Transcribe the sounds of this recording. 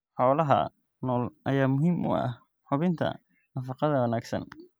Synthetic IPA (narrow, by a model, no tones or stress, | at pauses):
ħɔːlɐɦɐ̰ | nɔːlʔɐjaːmʊɦiːmʔʊ̰ɐ̰h | ħʊβɪnt̪ʰɐ̰ | nɐfɑqɑðɐwɑnaːɡsɐ̰n